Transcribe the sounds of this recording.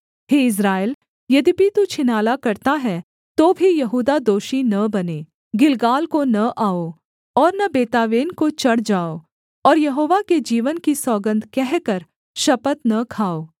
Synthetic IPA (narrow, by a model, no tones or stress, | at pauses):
ɦeːɪs̬ɾaːɪl | jɐd̪ibʱit̪ut͡ʃʰɪnaːlakɐɾt̪aɦɛ | t̪oːbʱijɐɦuːd̪ad̪oːʃinɐbɐneː | ɡɪlɡaːlkonɐʔaːo | ɔːɾnɐbeːt̪aːʋeːnkot͡ʃɐɽd͡ʒaːoː | ɔːɾjɐɦoːʋaked͡ʒiːʋənkisɔːɡə̃nd̪kɛɦkɐɾ | ʃɐpət̪nɐkʰaːoː